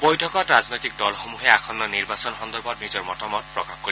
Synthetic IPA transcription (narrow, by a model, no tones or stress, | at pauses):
bojtʰɔkɔtɹaznojtik̚dɔlxomuɦɛakʰɔnːɔniɹbasɔnxɔnd̪ɔɹbɔtnizɔɹmɔtɔmɔt̚pɹɔkaxkoɹi